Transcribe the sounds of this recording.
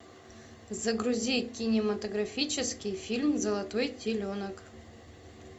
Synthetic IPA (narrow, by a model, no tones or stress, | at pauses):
zɐɡɾʊzʲikʲinʲɪmɐt̪əɡɾɐfʲit͡ɕɪskʲɪjfʲilʲmzəlˠɐt̪ojt̪ʲɪlʲonək